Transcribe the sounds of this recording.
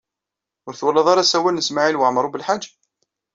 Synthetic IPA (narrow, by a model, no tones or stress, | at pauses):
ʊɾθwælːɑðˤɑɾˤɑsæwælnəsmaʕilwəʕmɾˤubəlħad͡ʒː